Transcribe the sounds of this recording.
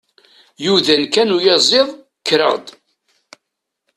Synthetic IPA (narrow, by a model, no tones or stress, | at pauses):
juðænkænujɑzˤeðˤ | kɾə̰ʁd̪